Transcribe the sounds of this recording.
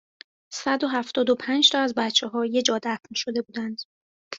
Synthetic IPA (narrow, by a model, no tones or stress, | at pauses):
sæd̪o̞ɦæft̪ɒːd̪opʰænd͡ʒt̪ʰɒæzbæt̪t͡ʃʰːeɦɒːje̞d͡ʒɒːd̪æfnʃo̞d̪e̞buːd̪ænd̪̥